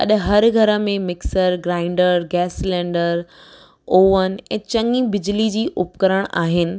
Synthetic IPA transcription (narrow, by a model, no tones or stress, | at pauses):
ɐ̰ɗɦɐɾɡʱɐɾə̆mẽmɪksəɾɡɾaːɪ̃ɳɖəɾɡɛːslɛ̃ːɳɖəɾ | oːʋənɛ̰̃ːt͡ɕɐ̃ŋibɪd͡ʑlid͡ʑiːʔʊpkɐɾəɽ̃ʔaːɦɪnɪ̆